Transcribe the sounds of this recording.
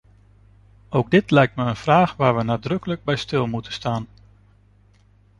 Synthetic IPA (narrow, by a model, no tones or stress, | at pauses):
owɡ̚dɪtlɛjk̚tməənv̥raːχʋaːɹʋənaːdrɵkələɡ̚bɛjstɪlˠmutəstaːn